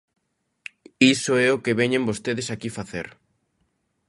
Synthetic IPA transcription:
isoɛokeβɛɲẽmbost̪eðesakifaθḛɾ

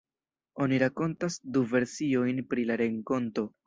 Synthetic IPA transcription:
o̞niɾako̞ntasduve̞ɾsio̞jnpɾilaɾe̞ŋko̞nto̞

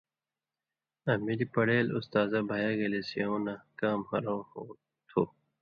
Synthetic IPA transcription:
ɐmiɾipɐɽeːlʊst̪aːzabʱajaɡɐlesijonakaːmhɐɾoo | t̪ʰoː

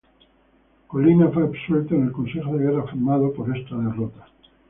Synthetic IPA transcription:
kolinafweapswelt̪oenelkõ̞nsexoðeɣeɾafiɾmaðopoɾe̞st̪aðe̞rot̪ḁ

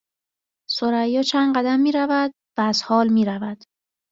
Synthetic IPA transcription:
soɾæjːɒːt͡ʃʰænɢæd̪æmːiːɾævæd̪̚ | væːz̥hɒːlmiːɾævæd̪̥

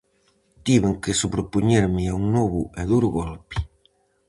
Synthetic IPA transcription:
t̪iβeŋkesupɾopuɲeɾmɪauŋnɔβuɛðuɾɣɔlpi̥

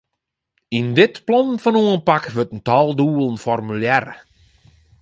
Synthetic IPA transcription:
indɪtplɔnfɔnuənpakʋøtəntɔlˠduːəlˠənfɔrmyljɛrə

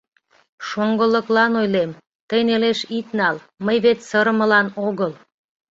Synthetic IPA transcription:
ʃoŋɡələklɑnojlem | t̪əjneleʃit̪nɑl | məjβet̪səɾəməlɑnoɣəl

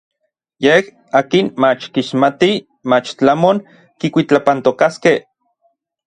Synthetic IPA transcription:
jeh | aːkinmat͡ʃkiʃmat̪i | mat͡ʃt͡ɬamoŋ | kikʷit͡ɬapant̪okaskeh

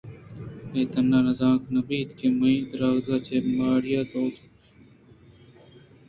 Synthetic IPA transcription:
eːt̪ənːaːnɐzãːknɐbiːt̪keːmɐĩːt̪ɾaːd̪aːt͡ʃeːmaːɽɪjaːd̪oːt̪

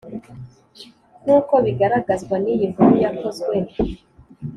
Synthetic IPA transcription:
nuːko̞βiɡaɾaɡazɡwanijiɱvuɾujako̞zɡwe

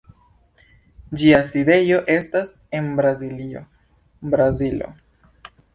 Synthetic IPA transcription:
d͡ʒiaside̞jo̞ʔe̞stas | e̞nbɾazilio̞̰ | bɾazilo̞̰

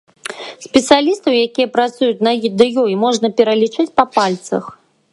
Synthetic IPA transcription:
sʲpʲɛt̪sɨjalʲist̪ɐwjakʲijɐpɾat̪sujut͡sʲnɐjid̪ɨjujimɔʐnɐpʲɛɾɐlʲit͡ʂɨt͡sʲpɐpalʲt̪sɐ̰x

